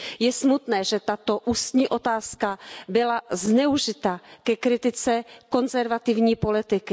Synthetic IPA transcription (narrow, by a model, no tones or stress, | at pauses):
jɛsmut̪nɛːʒɛt̪at̪o̞ʔust̪ɲiːʔo̞t̪aːskabɪlaznɛuʒɪt̪akɛkɾɪt̪ɪt͡sɛko̞nzɛɾvat̪ɪvɲiːpo̞lɪt̪ɪkɪ